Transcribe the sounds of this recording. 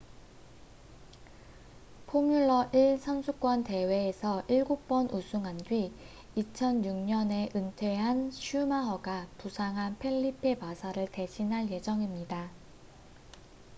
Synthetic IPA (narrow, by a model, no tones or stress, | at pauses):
pʰomjuɭːʌʔiɭsʰʌnsʰuk͈wʌnte̞we̞ːsʰʌʔiɭɡuk̚p͈ʌnʔusʰuŋɦandɥi | it͡ɕʰʌnjuŋɲʌne̞ʔɯntʰe̞ɦanɕʰumaɦʌɡapusʰaŋɦanpʰe̞ɭːipʰe̞pasʰaɾɯɭte̞ɕʰinɦaɭje̞d͡ʑʌŋimɲida